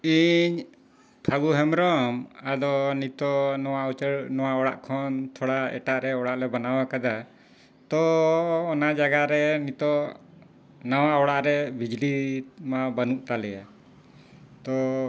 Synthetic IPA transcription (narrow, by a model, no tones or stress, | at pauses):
iɲ | p̪ʰaɡuɦɛmɾɔmad̪ɔnit̪ɔnɔwaut͡ʃəɽnɔwaɔɽaʔkʰɔnt̪ʰɔɽaɛ̰ʈaʔɾɛɔɽaʔlɛbanawakad̪a | t̪ɔː | nad͡ʒaɡaɾɛnit̪ɔ | nawaɔɽaʔɾɛbid͡ʒlimabənuʔt̪alɛja | t̪ɔ